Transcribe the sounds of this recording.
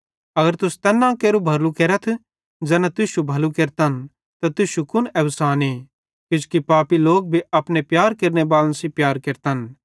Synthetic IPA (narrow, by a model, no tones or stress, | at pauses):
ɐɡəɾt̪ʊst̪ɛːnːãkeːɾubʱɐlukeːɾət̪ʰ | d͡ʒɛːnãt̪ʊʃubʱɐlukeːɾt̪ɐn | t̪at̪ʊʃukʊnɛʋsaːneː | kɪd͡ʒkipaːpiloːk̚bʱiɐpnepjaːɾkeːɾnebaːlə̃nsipjaːɾkeːɾt̪ɐn